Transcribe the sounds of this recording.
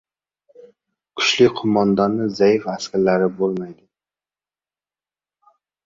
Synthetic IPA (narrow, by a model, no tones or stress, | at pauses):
kʲʰy̥ʃlɪkʲqʰʊmɑnd̪ɑnːɨzɛjifæskʲæɾlæɾɪbolˠmɑjd̪ɪ